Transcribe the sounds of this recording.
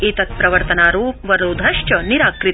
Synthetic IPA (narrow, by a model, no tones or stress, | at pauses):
it̪ɐt̪̚pɾɐʋɐɾt̪ɐnaːɾuːpʋɐɾoːd̪ʱɐʃt͡ʃɐniɾaːkɾi